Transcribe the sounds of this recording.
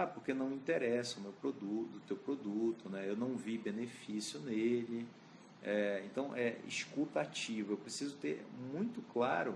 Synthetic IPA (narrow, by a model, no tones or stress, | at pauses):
apoɾkenɐ̃w̃ĩt̪eɾɛsɐʊmewpɾod̪ut̪ʊt̪ewpɾod̪ut̪ʊnɛewnɐ̃w̃vibenefisjʊnelɪ | ɛẽt̪ɐ̃w̃ʔɛḭʃkut̪at͡ʃivʊewpɾesizʊt̪eɾmũj̃t̪ʊklaɾʊ